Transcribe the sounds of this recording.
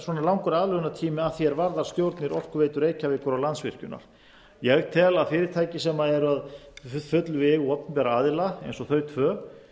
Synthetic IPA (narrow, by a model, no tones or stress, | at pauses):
swɔnalawŋkʏɾaːðlœɣʏnat̪ʰiːmɪaðθjɛɾvaɾðaɾ̥st̪jowɾt̪nɪɾɔr̥kʏɾveːjt̪ʏɾeːjcavɪkʰɔɾawlansvɪ̰r̥cʏ̰na̰ɾ̥ | jɛɣt̪ʰɛlaðfɪːɾɪɾ̥t̪ʰaːjcɪsɛmaɛɾʏaðfʏfʏt̪lʏvɛɣɔp̪npɛːɾaaːðɪlaḛjnsɔθœːɥt̪fœː